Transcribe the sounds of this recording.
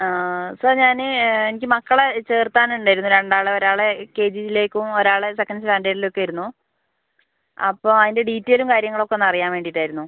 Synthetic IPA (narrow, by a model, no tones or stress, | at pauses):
aːsəːrɲaːnɨenikʲːɨmɐkːɐɭet͡ɕe̞ːrt̪aːnuɳɖaːjiɾunːuɾe̞ɳɖaːɭeo̞ɾaːɭeke̞ːd͡ʑiile̞ːkʲːumo̞ɾaːɭesekːɐnɖsʈaːndeːɾilo̞kːejiɾunːu | ɐ̰pːoːɐðinde̞ɖiːtːe̞ːlumkaːɾjɐŋːɐɭo̞kːenːɐrijaːnʋe̞ːɳɖiʈːaːjɾunːu